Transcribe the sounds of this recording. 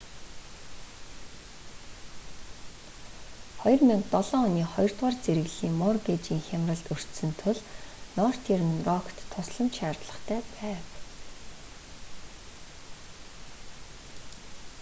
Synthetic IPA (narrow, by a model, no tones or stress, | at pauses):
χɔjɞ̆rmiŋk̚t̪ɔɮɔːʊniːχɔjɞ̆r̥t̪ʁaːrt͡seɾɘ̆ɣɮiːŋmɔrɡet͡ɕiːŋxʲamrə̆ɮt̪ɵr̥t̪sɵ̆nt̪ʰʊɮnɔːr̥t̪ʰeɾɘ̆nrɔkt̪ʰːʊsɮə̆mt͡ɕʃaːrt̪ɮə̆χt̪ʰæːpæːw